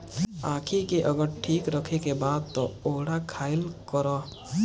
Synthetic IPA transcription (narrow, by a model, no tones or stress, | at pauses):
aːkʰikeʔəɡəɾʈʰiːkɾəkʰekebaːd̪̚t̪ɔoːɽakʰaːɪlkəɾa